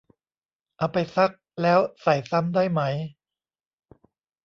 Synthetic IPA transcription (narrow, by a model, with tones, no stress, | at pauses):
ʔa˧˩wpa˧jsa˦˥k̚lɛː˦˥wsa˨˩jsa˦˥mdaː˥˩jma˦˥j